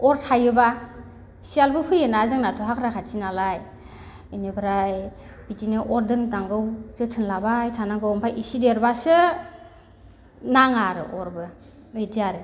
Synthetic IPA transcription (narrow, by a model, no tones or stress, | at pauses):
ɔɾtʰajɯba | sialbɯhʰɯjɯnazɯŋnatʰuɦakʰɾakʰatʰinalaj | inibɾaj | bitinɯʔɔɾdɯndaŋɡɯwzɯtʰɯnlabajtʰanaŋɡɯwmpʰajʔisideɾbasɯ | naŋaɾɯ̰ʔɔɾbɯ | ejdiaɾɯ